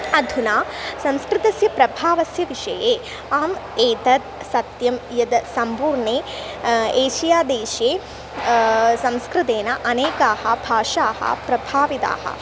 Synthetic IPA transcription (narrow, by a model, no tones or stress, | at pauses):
ɐd̪ʱunaːsɐ̃mskɾɪt̪ɐsjɐpɾɐbʱaːʋɐsjɐʋiʂɐ̰jeː | aːmeːt̪ɐt̪̚sɐt̪jɐmjɐd̪sɐmpuːɾɳeː | eːʃijaːd̪eːʃjeː | sɐ̃mskɾɪt̪eːnɐʔɐneːkaːhɐ̰bʱaːʂaːhɐ̰pɾɐbʱaːʋit̪a̰ːhɐ̰